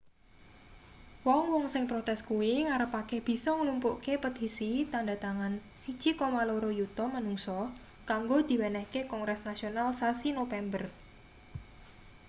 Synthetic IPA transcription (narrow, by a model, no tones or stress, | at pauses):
wɔŋwɔŋsɪŋpɾot̪ɛskuwiŋaɾəpakehb̥i̤sɔŋəlumpuʔkepət̪isit̪andat̪aŋan | sid̥ʒ̥ikomaloɾojut̪ɔmanuŋsɔ | kaŋɡod̪̥i̤wɛnɛhkekɔŋɡɾɛsnasionalsasinofɛmbər